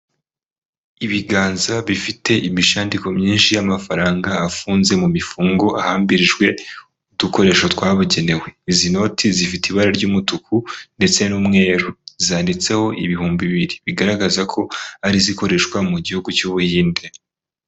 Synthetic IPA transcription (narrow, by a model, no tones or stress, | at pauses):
iβiɡaːnzaβifite̞ʔimiʃaːndiko̞mɲiːnʃijamafaɾaːŋɡaːfuːnze̞mumifuːŋɡo̞ʔahaːmbiɾiʒɡwe̞ | uduko̞ɾe̞ːʃotwaːβuɟe̞ne̞we̞izino̞tʰizifitiβaɾaɾɟuːmutukʰunde̞t͡se̞numŋe̞ːɾuz̥aːndit͡se̞ho̞ʔiβihuːmbiβiɾiβiɡaɾaɡazakʰo̞aɾiziko̞ɾe̞ʃkwamuɟihuɡucuβuhiːnde̞